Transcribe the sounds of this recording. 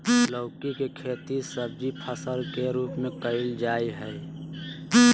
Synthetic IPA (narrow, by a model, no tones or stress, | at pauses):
ləʊkikekʰeːt̪isəbd͡ʒipʰəsəɾkeɾuːpmẽkəɪld͡ʒaːiɦɛ